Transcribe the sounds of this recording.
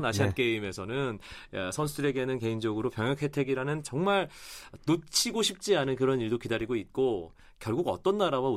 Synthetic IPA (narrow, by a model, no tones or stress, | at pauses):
naɕʰiak͈e̞ime̞sʰʌnɯnsʰʌns̬ʰudɯɾe̞ɡenɯnke̞ind͡ʑʌɡɯɾopjʌŋjʌk̚ʰhe̞tʰe̞ɡiɾanɯnt͡ɕʌŋmaɭnot͡ɕʰiɡoɕʰip̚t͡ɕ͈ianɯnkɯɾʌniɭdokidaɾiɡoit̚k͈o | kjʌɭɡuɡʌ̰t͈ʌnːaɾawau